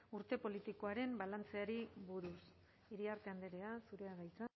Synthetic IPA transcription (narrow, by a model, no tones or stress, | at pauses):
uɾt̪e̞po̞lit̪iko̞aɾe̞mbalant͡se̞aɾiβuɾus | iɾiaɾt̪e̞and̪eɾe̞asuɾe̞aɣajt͡sa